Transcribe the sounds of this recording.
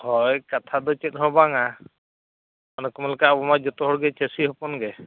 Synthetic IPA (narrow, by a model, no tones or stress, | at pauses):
hɔjkat̪ʰad̪ɔt͡ʃɛt̪̚ˀɦɔbaŋa | ɔnɔkɔmalkabɔmad͡ʒɔt̪ɔɦɔɾɡɛt͡ʃesiɦɔpɔnɡɛ